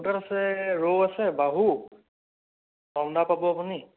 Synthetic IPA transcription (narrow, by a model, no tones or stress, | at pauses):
ɡaɾasɛɹowasɛbaɦu | dɔwndapabɔapuni